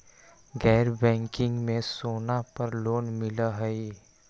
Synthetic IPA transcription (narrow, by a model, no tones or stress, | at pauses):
ɡɛːɾbɛ̃ːŋkɪ̃ŋɡmẽsoːnapɐɾloːnmɪlaɦəi